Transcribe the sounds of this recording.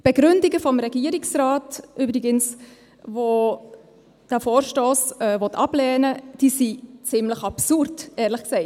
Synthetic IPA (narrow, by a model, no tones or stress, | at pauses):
b̥eɡ̥ɾʏndiɡəfɔmɾɛɡ̥iːəɾɪksraːtʔyːbɾɪɡəns | vo | d̥æfoːrʃtoːsɛːvɔtʰɑblɛːnəd̥iːsit͡sɪmləχɑpsuɾdɛːɾləχksɛɪt